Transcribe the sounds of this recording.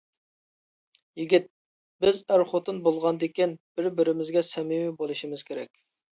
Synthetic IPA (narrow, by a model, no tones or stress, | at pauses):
jiɡʲit̪̚ | bɪzæɾχot̪ɨnbolˠʁɑnd̪ekʲinb̥ɪɾbɪɾɪmɪzɡʲɛsɛmimɪbolˠɨʃimɪz̥kʲʰeɾɛ̰kʲ